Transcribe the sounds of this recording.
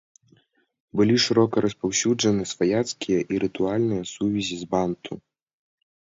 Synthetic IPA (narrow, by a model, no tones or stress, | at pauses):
bɨlʲiʂɨɾɔkɐɾʔɐspawsʲud͡ʐɐnɨsfajat̪skʲijɐʔiɾɨt̪ualʲnɨjɐsuvʲizʲizbant̪ʰu